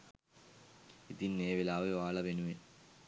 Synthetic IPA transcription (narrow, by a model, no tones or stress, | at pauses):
id̪inːeːʋelaːʋeʋaːɭɐʋenuʋe